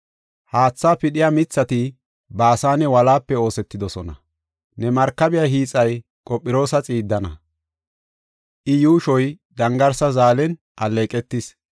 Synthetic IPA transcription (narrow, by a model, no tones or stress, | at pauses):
haːt͡sːaːpɪɗɪjamɪt͡sːɐt̪ɪ | baːsaːnɛwɐlaːpːɛo̞ːsɛt̪ːɪd̪ɔsɔnɐ̰ | nɛmɐɾkːɐbɪjaɦiːt͡sʼːɐj | kʼɔpʼːɪɾo̞ːsɐt͡sʼiːd̪ːɐnɐ̰ | ʔɪjuːʃɔj | d̪ɐŋɡɐɾsɐzaːlɛn | ʔɐleːkʼɛt̪ːɪs